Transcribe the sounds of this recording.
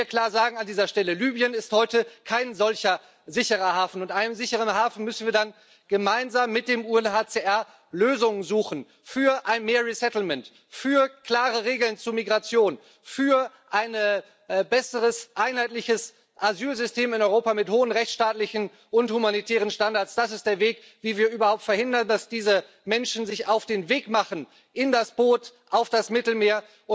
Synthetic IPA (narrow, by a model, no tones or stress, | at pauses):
iːɐkʰl̥aːɐzaːɡŋ̩andiːzɐʃtɛləlyːbjənɪsthɔʏtəkʰaɪnzɔlçɐ | zɪçəʁɐhaːfn̩ʊntʔaɪnəmzɪçəʁ̞ənhaːfn̩mʏsn̩viːɐdan | ɡ̥əmaɪnzaːmːɪt̚d̥eːmuːɛnhaːt͡seʔɛɐ | løːzʊŋənzuːxn̩ | fyːɐʔaɪnmeːɐʁisɛtl̩mɛnt | fyːɐkl̥aːʁəʁeːɡl̩nt͡suːmiɡʁat͡sjoːn | fyːɐ | ʔaɪnə | bɛsəʁəsʔaɪnhaɪtlɪçəs | ʔazyːlzʏsteːmɪnɔʏʁoːpamɪthoːənʁɛçt͡sʃtaːtlɪçn̩ | ʔʊnthumanitʰɛːʁ̞ənʃtandaɐtt͡ssd̥asɪst̚d̥eːɐveːk | v̥iːviːɐʔyːbɐhaʊp̚tfɛɐhɪndɐndasd̥iːzə | mɛnʃn̩zɪçaʊfd̥eːnveːkmaχən̩ | ʔɪndasb̥oːtʔaʊfd̥asmɪtl̩meːɐ | ʊ